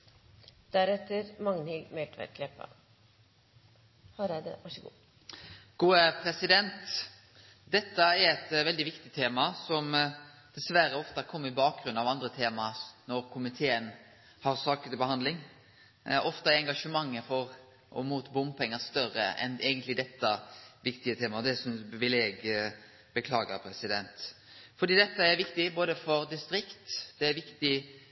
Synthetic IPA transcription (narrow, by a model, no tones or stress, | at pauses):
d̪̥æɾɛt̪ːəɾmɑŋnɪɡmɛʈ̪ʋæ̰ɾkʰlɛpːɑ̰ | hɑɾɛd̪ɛ̰ʋɑʂəɡṵː | ɡ̥uːəpʰɾɛsɪd̪ɛnt̪ | d̪ɛt̪ːəɛɾɛt̪ʋɛld̪ɪʋɪkt̪ɪt̪ʰeːmɑsɔm | d̪̥ɛsʋæɾəɔft̪ɑkʰɔmːəɪbɑːk̚ɡɾʉnːɑʋɑnd̪ɾət̪ʰeːmɑnɔɾkʰʊmɪt̪ʰeːən | hɑɾsɑːkət̪ɪbəhɑnd̪lɪŋ | ʔɔft̪əæɾɛŋɡɑʂəmɑŋːəfɔɾ | ʔɔ̰muːt̪bʊmpʰɛŋːəst̪œɾə̰ɛ̰neːɡənt̪lɪd̪ɛt̪ːəʋɪkt̪ɪət̪ʰeːmɑɔd̪ɛsɔnpɪʋɪleːɡ | b̥əkʰlɑːɡə̰ɾpʰɾɛsɪd̪ɛnt̪ | fɔɾd̪iːd̪ɛt̪ːəæɾʋɪkt̪ɪboːd̪əfɔɾd̪ɪst̪ɾɪkt̪d̪̥ɛæɾʋɪkt̪ɪ